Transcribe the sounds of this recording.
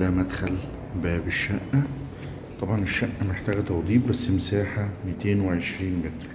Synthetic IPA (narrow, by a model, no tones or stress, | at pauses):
d̪æmæd̪xæl | bæːbeʃːæʔːæ | t̪ˤɑbʕɑneʃːæʔːæmeħt̪æːɡæt̪ɑwd̪ˤiːb̚bæsːmsæːħamet̪eːnweʕeʃɾiːnmet̪ɾ